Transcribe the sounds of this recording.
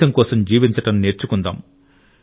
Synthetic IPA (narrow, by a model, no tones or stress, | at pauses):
ɐmkɔːsɐmd͡ʒiːʋiɲt͡ʃɐʈɐnneːɾt͡ʃukund̪a̰ːm